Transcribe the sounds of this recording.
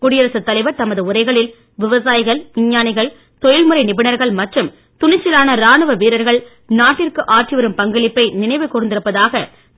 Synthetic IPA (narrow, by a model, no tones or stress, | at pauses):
kʊɽɪjɐɾɐsɯt̪ːɐlɐɪʋɐɾt̪ɐmɐðɯʊɾɐɪɣɐɭɪl | ʋɪʋɐsaːjɪɣɐɭʋɪɲːaːnɪɣɐɭ | t̪ɔjɪlmɯɾɐɪnɪbɪnɐɾɣɐɭmɐʈrɯm | t̪ʊnɪt͡ʃːɪlaːnɐɾaːɳɯʋɐʋiːɾɐɾɣɐɭ | naːʈːɪrkɯʔaːʈriʋɐɾɯmpɐŋɡɐɭɪpːɐɪnɪnɐɪʋɯkːʊrɯnd̪ɪɾɯpːɐðaːɣɐ